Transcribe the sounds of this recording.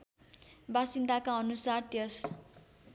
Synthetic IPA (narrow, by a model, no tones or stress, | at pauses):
basind̪akaʌnusart̪jʌs